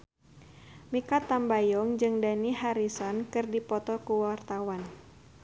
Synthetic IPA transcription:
mikat̪ːambajɔŋd͡ʒɨŋdanihaɾisɔnkɨrdipɔt̪ɔkuwart̪awan

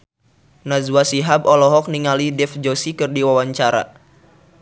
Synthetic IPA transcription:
nazwasiɦabɔlɔɦɔk̚niŋalidɛfd͡ʒosikɨrdiwawaɲt͡ʃaɾa̰

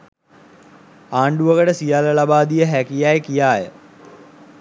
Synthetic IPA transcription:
aːɳɖuʋəkəʈəsijaːləlabaːd̪ijəɦækijajkijaːjə̰

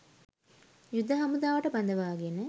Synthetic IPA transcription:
jud̪ʱːəɦɐmud̪aːʋəʈəbɐnd̪əʋaːɡenə

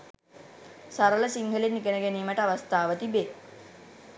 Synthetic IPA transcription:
saɾələsiŋɦəlenːikənəɡæniːməʈəaʋast̪aːʋət̪ibe

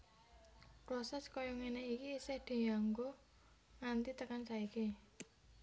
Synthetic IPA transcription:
pɾɔsɛskɔjɔŋeneikiːsɪhd̪̥e̤jaŋɡo | ŋant̪it̪əkant͡ʃaike

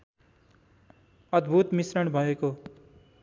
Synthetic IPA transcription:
ʌd̪bʱut̪misɾʌɽ̃bʱʌeko

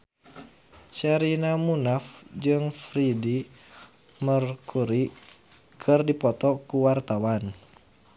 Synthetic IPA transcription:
t͡ʃaɾinamunafd͡ʒɨŋfɾidi | mərkʰuɾi | kʰɨrdipɔt̪ɔkuwart̪awan

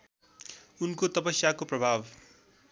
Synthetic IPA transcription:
unkot̪ʌpʌsjakoprʌbʱab

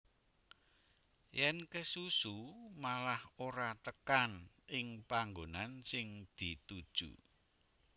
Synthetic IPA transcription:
jɛnkəsusumalahoɾat̪əkan | ɪŋpaŋɡonansɪŋd̪̥it̪ud̥ʒ̥ṵ

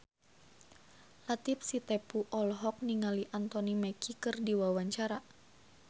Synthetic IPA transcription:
lat̪ipsit̪ɛpuʔɔlɦɔk̚niŋaliʔant̪ɔnimɛkikɨrdiwawaɲt͡ʃaɾa

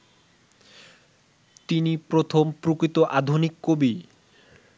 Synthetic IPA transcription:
t̪inipɾot̪ʰompɾukɾit̪oʔad̪ʱunikːobi

